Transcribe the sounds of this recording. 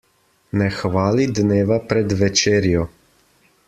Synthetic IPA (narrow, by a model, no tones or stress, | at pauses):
nɛxʋaːlid̪neːʋapɾɛd̪ʋɛt͡ʃeːɾjɔ